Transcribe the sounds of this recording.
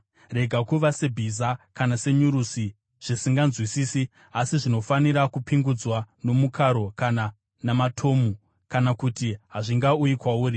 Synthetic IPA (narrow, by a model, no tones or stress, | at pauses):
re̞ɡʱakuʋasebʱizakanase̞ɲuɾusi | ʐ̥isiŋɡanzwisiːsi | asiʐino̞faniɾakupiŋɡud͡zwano̞mukʰaɾo̞kana | namatʰo̞ːmu | kanakutiɦaʐiŋɡaujikwauːɾi